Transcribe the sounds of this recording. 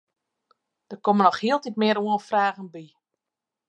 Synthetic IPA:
d̥ərkomənɔxhiəlˠtitmɪəɾuənfraːɣənbi

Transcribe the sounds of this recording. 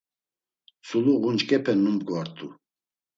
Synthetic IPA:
suluɣunt͡ʃkʼɛpʰɛnːumbɡvaɾt̪ʼu

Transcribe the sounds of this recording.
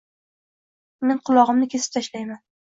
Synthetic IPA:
me̞nqʰʊlˠɒʁɨmnɪkʲʰe̞sɪ̥p̚t̪ʰaʃlajman

